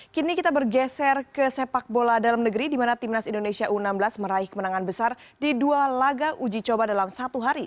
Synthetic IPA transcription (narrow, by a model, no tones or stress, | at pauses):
kinikit̪abərɡɛsɛrkəsepak̚boladalamnəɡəɾidimanat̪imnasindonesiaʔunamblasməɾaihkəmənaŋanbəsardidualaɡaʔud͡ʒit͡ʃobadalamsat̪uɦaɾi